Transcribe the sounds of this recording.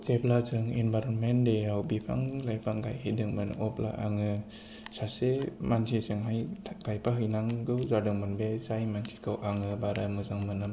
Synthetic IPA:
seplasɯŋinbaɾonmendeawbipʰa̰ŋlajpʰaŋɡajhajdɯŋmɯn̰ʔɔpla̰ʔaŋɯ | sasemansʰisɯŋɦajʰɡajpʰaɦɯjnaŋɡɯwzadɯŋmɯnbesajmansʰi̥kʰɯwʔaŋɯbaɾamɯzaŋmɯnɯ

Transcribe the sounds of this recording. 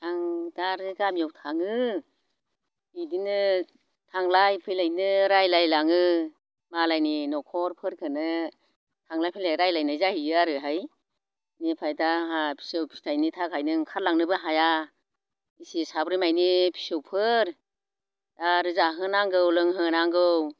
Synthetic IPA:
tʰaŋdaɾɯɡamijɔwtʰaŋɯ | idinɯ | tʰaŋlajpʰɯjlajnɯɾajlajlaŋɯ | malajninɔkʰɔɾpʰɯɾkʰɯnɯ | tʰaŋlajpʰɯjlajɾajlajnajzahiaɾɯɦaj | nipʰajdaɦapʰi̥sɯwpʰi̥stʰajnitʰakʰajnɯŋkʰaɾlaŋnɯbɯɦaja | isisabɾimajnipʰi̥sowpʰɯɾ | daɾɯzaɦɯnaŋɡɯwlɯŋɦɯnaŋɡɯw

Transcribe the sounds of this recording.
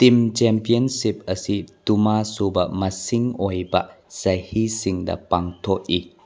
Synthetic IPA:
t̪imt͡ʃɛmpiənsip̚ɐsitumasubɐmɐsiŋɔjbɐʔ | z̥ɐjhisiŋdɐ̰paŋtʰɔʔ̚i

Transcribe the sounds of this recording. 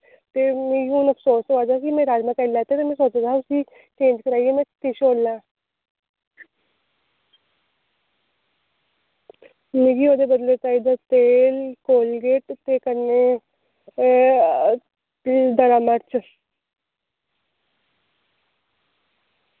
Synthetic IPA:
t̪eːmẽːɡiunəpʰsoːsaːd̪aːkimɛ̃ːɾaːɾmãːkɛːlɛːt̪eːt̪eːmɛ̃ːsoːt͡ʃːd̪aʊsiː | t͡ʃẽːnd͡ʒkəɾaːiɛːmɛ̃ːt̪ɪʃoːlːãː | mẽːɡiːoːd̪eːbəd̪leːt͡ʃaːiːd̪at̪eːlkoːlɡeːʈt̪eːkəɾneː | d̪əɾaːməɾt͡ʃ

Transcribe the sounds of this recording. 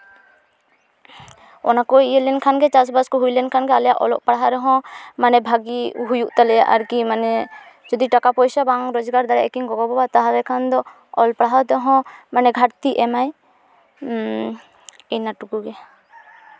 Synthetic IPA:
ɔ̰nakɔiɛlɛnkʰanɡɛt͡ʃasbaskɔɦujlɛnkʰanɡɛalɛjaʔɔ̰lɔʔpaɽɦaɾɛɦɔ̃manɛbʱaɡiɦujuʔt̪alɛjaʔaɾkimanɛ | d͡ʒɔd̪iʈakapɔjsabaŋɾɔd͡ʒɡaɾd̪aɾɛʔɛkiŋɡɔɡɔbɔbat̪aɦaɾɛkʰand̪ɔ | ɔlpaɽaɦat̪ɔɦɔ̃manɛɡʱaɾt̪iʔɛmaj | ɛnaʈukuɡɛ

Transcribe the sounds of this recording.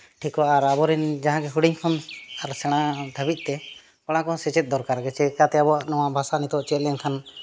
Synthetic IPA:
ʈʰikɔaaɾabɔɾɛnd͡ʒaɦãɡɛɦuɽiɲkʰɔnaɾsɛɽ̃ad̪ʱəbit̪̚ˀt̪ɛ | kɔɽ̃ãkɔnsɛt͡ʃɛt̪̚d̪ɔɾkaɾɡɛt͡ʃɛkat̪ɛabɔaʔnɔwaʔbʱasanit̪ɔʔt͡ʃɛt̪lɛɲkʰan

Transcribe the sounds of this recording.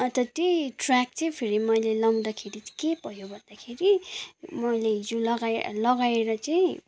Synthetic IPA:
ʌt̪ʌt̪jojʈrak̚t͡saĩpʰeɾimʌjlelawd̪akʰeɾikepʌjobʱʌnd̪akʰeɾimʌjleɦid͡zolʌɡalʌɡaeɾʌt͡saĩ

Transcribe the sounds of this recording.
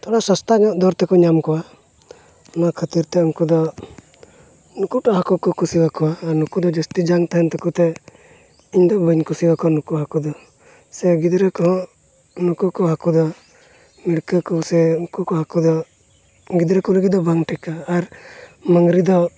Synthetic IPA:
t̪ʰɔɽasast̪anɔʔd̪ɔɾt̪ɛkɔɲamkɔwa | ɔnakʰət̪iɾt̪ɛuŋkud̪ɔ | nukuʈɔɦakukukusiwakɔwaːɾnukud̪ɔd͡ʒəst̪id͡ʒaŋt̪aɦɛnt̪ɛkut̪ɛ | iɲd̪ɔbəɲkusiwakɔwanukuɦakud̪ɔ | sɛɡid̪ɾəkɔɦɔ̃ | nukukɔɦakud̪ɔ | miɽkəkusɛukukɔɦakud̪ɔ | ɡid̪ɾəkuləɡid̪ɔbaŋʈɛkaːɾməŋɡɾid̪ɔ

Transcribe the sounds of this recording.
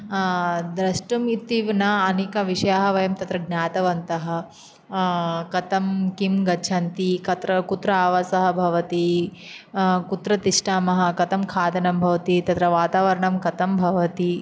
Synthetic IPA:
d̪ɾɐʂʈumit̪ːiʋnɐɐneːkɐʋiʂɐjaːɦɐʋɐjɐmt̪ɐt̪ɾɐɡnaːt̪ɐʋɐnt̪ɐɦɐ̆ | kɐt̪ɐmkimɡɐt͡ʃʰɐnt̪ikɐt̪ɾɐkut̪ɾɐaːʋasɐɦɐ̆bʱɐʋɐt̪i | kut̪ɾɐt̪iʂʈaːmɐɦɐ̆kɐt̪ɐmkʰaːd̪ɐnɐmbʱɐʋɐt̪it̪ɐt̪ɾɐʋaːt̪aːʋɐɾɐɳɐmkɐt̪ɐmbʱɐʋɐt̪i

